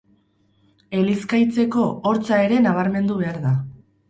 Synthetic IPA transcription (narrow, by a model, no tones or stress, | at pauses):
e̞liskajt͡se̞ko̞ːɾt͡sae̞ɾe̞naβ̞aɾme̞nd̪uβe̞aɾða